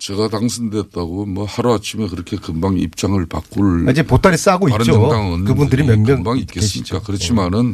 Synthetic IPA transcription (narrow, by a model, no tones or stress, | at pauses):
t͡ɕe̞ɡataŋsʰɯndet̚t͈aɡomwʌhaɾoat͡ɕʰimekɯɾʌkʰe̞kɯmbaŋḭp̚t͡ɕ͈aŋɯɭpa̰k͈uɭid͡ʑepot͈aɾis͈aɡoit͡ɕonkɯbundɯɾimeŋmjʌnbaŋik͈ess͈mik͈akɯɾʌt͡ɕʰimanɯn